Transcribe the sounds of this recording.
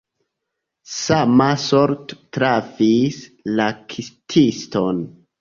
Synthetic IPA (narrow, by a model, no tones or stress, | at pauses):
samasoɾttɾavislakʰistʰiston